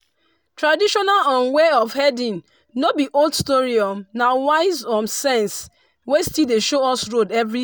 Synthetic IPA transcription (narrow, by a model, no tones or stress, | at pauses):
tɹadiʃɔnalɔ̃nweɔfhɛdĩn | nobiʔoldstɔɹiɔmnawaɪzɔmsɛ̃ns | westildeʃoɔsɹodɛvɹi